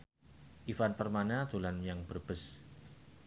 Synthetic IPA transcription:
ʔifanpərmanad̪̥o̤lanjaŋb̥ərb̥əs

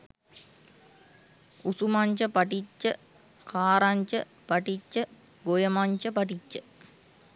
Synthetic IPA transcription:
usumaɲt͡ʃəpaʈit͡ʃːə | kʰaːɾaɲt͡ʃə | paʈit͡ʃːə | ɡojəmaɲt͡ʃəpaʈit͡ʃːə

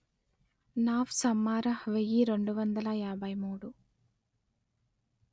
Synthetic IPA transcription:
naːʋsɐmːaːɾɐhʋejiɾe̞ɳɖuʋɐnd̪ɐlɐjaːbʱɐjmuːɽu

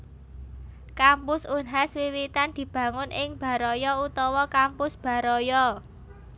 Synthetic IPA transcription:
kampʊsunɦaswiwit̪and̪̥i̤b̥ä̤ŋʊnʔɪŋb̥a̤ɾɔjɔut̪ɔwɔkampʊsb̥a̤ɾɔjɔ

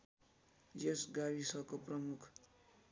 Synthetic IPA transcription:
d͡ʒesɡawisʌkoprʌmukʰ

